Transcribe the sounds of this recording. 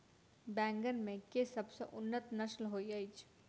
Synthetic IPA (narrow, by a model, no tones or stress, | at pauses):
bɛ̃ːŋɡənmẽkesəbsəʔʊnːət̪nəslɦoːiəjt͡ʃʰ